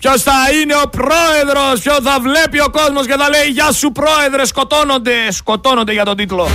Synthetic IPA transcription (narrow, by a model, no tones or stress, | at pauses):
pjost̪aineopɾoeðɾospjoθavlepjokosmos̬keðaleiʝasupɾoeðɾeskot̪onod̪eskot̪onod̪ejat̪ot̪̬it̪ulo